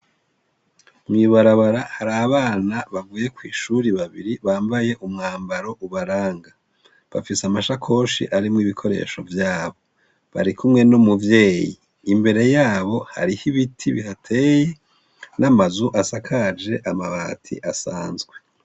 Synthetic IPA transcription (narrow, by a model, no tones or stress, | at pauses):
mŋiːβaɾaβaɾahaɾaβaːnaβaɡuːje̞kwiːʃuɾiβaβḭɾiβaːmbaje̞ʔumŋaːmbaɾo̞ʔuβaɾaːŋɡa | βa̰fisamaʃakʰo̞ːʃḭʔaɾimŋiːβikʰo̞ɾe̞̰ːʃo̞vjaːβo̞ | βa̰ɾikumŋe̞numuvje̞ːjḭː | mbe̞ɾe̞jaːβo̞ha̰ɾihiβitʰiβiɦatʰeje | namazuʔasakʰad͡ʒe̞ʔamaβaːtʰḭʔasaːnzɡwe̞